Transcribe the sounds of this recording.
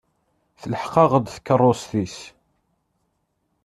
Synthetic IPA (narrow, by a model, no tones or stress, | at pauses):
θələħqɑʁəd̪θkːərˤːosθis